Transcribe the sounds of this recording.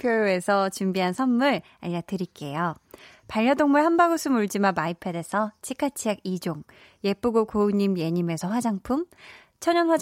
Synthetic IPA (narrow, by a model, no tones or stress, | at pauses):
pʰjojoe̞sʰʌt͡ɕumbiɦansʰʌmːuɭ | a̰ɲiɾatɯɾik͈e̞jo | paʎːʌdoŋmuɭhambaɡosʰɯmuɭd͡ʑimamaipʰede̞sʰʌt͡ɕʰikʰat͡ɕʰiaɡ̚id͡ʑoŋ | je̞p͈uɡokouɲːimje̞ɲime̞sʰʌɸwad͡ʑaŋpʰum | t͡ɕʰʌɲʌnɸwa